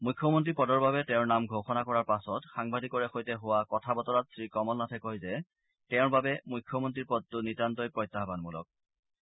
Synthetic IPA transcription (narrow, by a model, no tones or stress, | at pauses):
mujkʰːɔmɔntɹipɔdɔɹbabɛtɛʊɹnamɡʱoxɔnakɔɹaɹpasɔtxaŋbadʱikɔɹɛxojtɛɦʊwakɔtʰabɔtɔɹat̚sɹikɔmɔlnatʰɛkɔjzɛ | tɛʊ̃ɹbabɛmujkʰːɔmɔntɹiɹpɔd̚tʊnitantɔjpɹɔjtːaɦbanmulɔ̰k̚